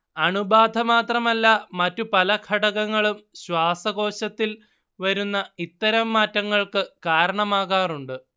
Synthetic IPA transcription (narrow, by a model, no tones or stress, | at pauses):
ɐɳubaːd̪ʱɐmaːt̪rɐmɐlːɐmɐtːupɐlɐkʰɐɽɐɣɐŋːɐɭumɕwaːsɐɣo̞ːɕɐt̪ːil | ʋɐɾunːɐit̪ːɐɾɐmːaːtːɐŋːɐɭkɨkaːɾɐɳɐmaːɣaːruɳɖɨ